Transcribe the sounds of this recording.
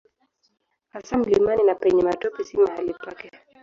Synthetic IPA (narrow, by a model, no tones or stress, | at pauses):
hasam̩limaninapɛɲɛmatɔpisimɛhalipakɛ